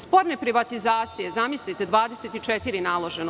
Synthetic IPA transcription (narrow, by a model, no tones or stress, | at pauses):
spo̞ɾne̞pɾiʋat̪izaːt̪sije̞zamislit̪e̞d̪ʋaːd̪eset̪it͡ʃet̪iɾinaːlˠo̞ʒeno